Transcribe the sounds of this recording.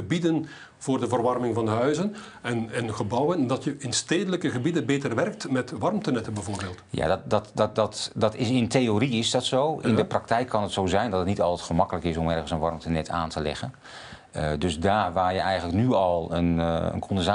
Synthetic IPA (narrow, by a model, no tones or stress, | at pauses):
əbidən | voːrdəvərʋɑrmɪŋvɑndəɦœɥzən | ɛnɛnɣəbɔwəndɑtjəɪnsteːdələkəɣəbidənbeːtərʋɛrk̚tmɛtʋɑrmtənɛtəbɛjvoːrbeːlˠtja̰ddɔtdɔtdɑtɪɪntʰejoːriɪsdɔtsoːʔɪ̰ndəprɑk̚tɛjkʰːɑnətsoːzɛjndɔtətnitɑlˠtɛtχəmɑkələkɪsɔmɛrənsənʋɑrmtənɛtʰa̰ːntʰəlɛ̰ɣən | døsdaːrʋaːrjəɛjɣənləknyɑlˠə̰nə̰nkʰɔndənza